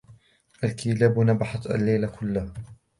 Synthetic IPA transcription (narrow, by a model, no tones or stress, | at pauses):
ʔalkʰiːlaːbnabaħat̪a̰lːajlakʰʊlːah